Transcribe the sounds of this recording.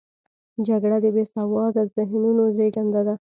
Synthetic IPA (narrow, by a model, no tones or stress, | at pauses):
d͡ʒaɡɽad̪əbesawɑd̪azɪɦnunozeɡand̪ad̪a